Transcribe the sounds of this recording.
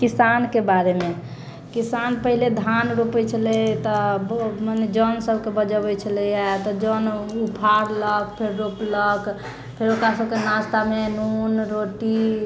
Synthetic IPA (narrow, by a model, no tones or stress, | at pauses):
kisankebaɾeme | kisanpəɦiled̪ʱanɾopɛt͡ʃʰəlɛt̪ɔbməned͡ʒənsəbkebəd͡ʒəbɛt͡ʃʰəlɛjat̪ɔd͡ʒənupʰaɾlək̚pʰeɾːoplək | pʰeɾokɾasəbkenast̪amenunɾoʈi